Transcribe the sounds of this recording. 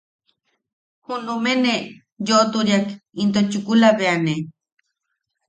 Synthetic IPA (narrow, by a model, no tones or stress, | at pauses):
hunumene | joʔt̪uɾjakint̪ot͡ʃukulaβeane